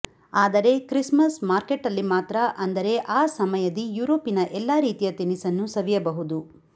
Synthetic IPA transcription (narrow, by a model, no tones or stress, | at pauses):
aːd̪ɐɾe̞kɾismɐsmaːɾkeʈɐlːimaːt̪ɾɐʔɐnd̪ɐɾe̞ʔaːsɐmɐjɐd̪ijuːɾoːpinɐʔɛlːaːɾiːt̪ijɐt̪inisɐnːusɐʋijɐbɐɦud̪u